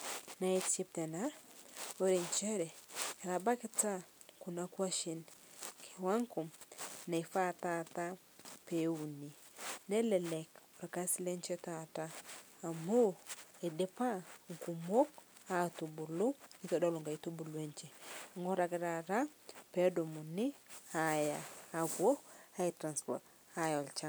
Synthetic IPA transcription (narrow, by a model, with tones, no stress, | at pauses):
na˨e˦te˦p̚tɛ˨na˦o˦ɾe˨ɲt͡ʃɛ˦ɾɛ˨ɾa˨ba˦kɪ˦ta˦ | ku˨na˨˦kwa˦ʃi˨n | kʰi˨wa˦ŋku˨mna˨i˨fa˦ta˦ta˦ | pe˨u˨ni˨ | nɛ˦lɛ˨lɛ˨kɔ˨ɾa˨ka˦sɪ˦le˦nt͡ʃɛ˦ta˨taː˦˨ | mo˦e˨de˦pa˦ŋ̩˨ku˨mo˦ka˦tu˨bu˨lu˦i˦tɔ˨do˦lo˨ŋɡa˨i˨tu˦bu˨lwe˦nt͡ʃe˨ŋɡo˦ɾa˨ɡɾa˨ɾa˦pe˨˦do˨mu˨ni˦a˦jaː˨bwo˦a˦i˨tɾa˨nspɔ̰˨t | a˦jɔ˨lt͡ʃa˦